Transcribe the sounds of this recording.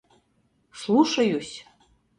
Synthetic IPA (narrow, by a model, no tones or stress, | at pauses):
slˠuʃɤjusʲ